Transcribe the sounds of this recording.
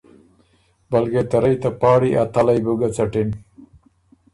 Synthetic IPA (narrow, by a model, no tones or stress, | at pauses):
bɐlɡet̪ɐɾajt̪apɑːɽiʔat̪alajbuɡat͡sɐʈin